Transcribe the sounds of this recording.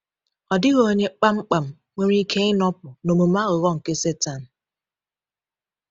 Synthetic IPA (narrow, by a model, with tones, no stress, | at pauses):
ɔ˨dɪ˦ɣo˦ɲe˦k͡pa˦ŋ͡m̩˦k͡pa˨m̩˦˨ | ŋʷe˦ɾi˦kʰe˦ɪ˦nɔ˦p̚ʊ˨no˨mo˨ma˦ɣʊ˨ɣɔ˦ŋ̩˨ke˦se˦ta˨n̩˨